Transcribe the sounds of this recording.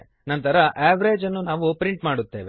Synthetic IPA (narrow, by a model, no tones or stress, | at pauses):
nɐnt̪ɐɾɐʔeːʋɐɾe̞ːd͡ʒɐnːunaːʋupɾiɳʈmaːɽut̪ːe̞ːʋe